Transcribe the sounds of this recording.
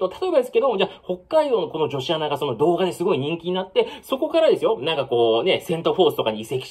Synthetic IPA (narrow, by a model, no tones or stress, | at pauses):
t̪ot̪at̪o̞ebad̪esɨ̥ke̞d̪omod͡ʑaho̞kːaid̪o̞ːno̞ko̞no̞ʑo̞ɕianaɡaso̞no̞d̪o̞ːɡad̪e̞sɨɡo̞iɲ̟ĩŋkʲiɲ̟inat̪ːe̞so̞ko̞kaɾad̪e̞sɨjonãŋkako̞ːne̞sẽ̞nt̪oɸo̞ːsɨ̥t̪o̞kaɲ̟iːse̞kʲi̥